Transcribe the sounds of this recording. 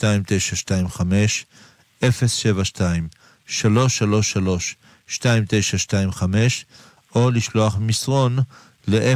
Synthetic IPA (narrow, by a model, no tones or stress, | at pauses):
taimt̪ejʃaʃtaimχame̞ʃ | ʔefe̞sʃe̞vaʃtaim | ʃalo̞ʃːalo̞ʃːalo̞ʃː | taimt̪e̞jʃaʃtaimχame̞ʃ | ʔoliʃlo̞aχmisʁo̞n | leʔe